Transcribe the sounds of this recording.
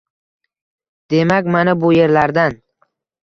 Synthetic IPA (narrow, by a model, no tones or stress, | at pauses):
d̪̥e̞makʲmanabʊje̞ɾlaɾd̪an